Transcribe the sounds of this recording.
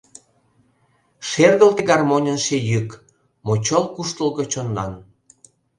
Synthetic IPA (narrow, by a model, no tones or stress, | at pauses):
ʃerɣəlt̪eɡɑrmonʲənʃejyk | mot͡ɕolkuʃt̪əlɣət͡ɕonːɑ̰n